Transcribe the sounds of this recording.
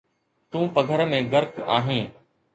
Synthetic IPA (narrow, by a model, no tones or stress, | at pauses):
t̪ũːpəɡʱəɾmẽːɡəɾka̰ːɦẽː